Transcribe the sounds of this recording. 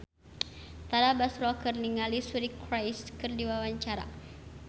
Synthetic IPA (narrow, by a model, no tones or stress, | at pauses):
t̪aɾabasɾɔkɨrniŋalisuɾikɾajskɨrdiwawaɲt͡ʃaɾa̰